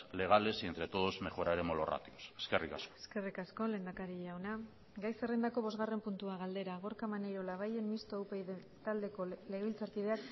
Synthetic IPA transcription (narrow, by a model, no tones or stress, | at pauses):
le̞ɣ̞ale̞sie̞nt̪ɾe̞t̪o̞ðozme̞xo̞ɾaeɾemolo̞̰ra̰t̪ioseske̞rikasko̥eske̞rikasko̞le̞nd̪akaɾiʝawna | ɡajserend̪ako̞βo̞zɣare̞mpunt̪uaɣ̞ald̪e̞ɾaɣ̞o̞ɾkamaneɾolaβ̞aje̞mmist̪ouwpe | t̪ald̪e̞ko̞leɣilt͡saɾkið̞e̞ak